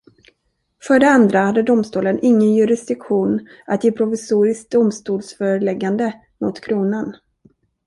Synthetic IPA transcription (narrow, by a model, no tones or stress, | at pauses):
fœːɖɛand̪ɾahad̪ːəd̪ʊmst̪uːlənʔɪŋːənjɵɾɪsd̪̥ɪkɧuːnat̪jeːpʰɾʊfɪsuːɾɪsk̚d̪ʊmst̪uːlsfœɾəlɛɡːand̪ə | mʊ̰t̪kʰɾuːnan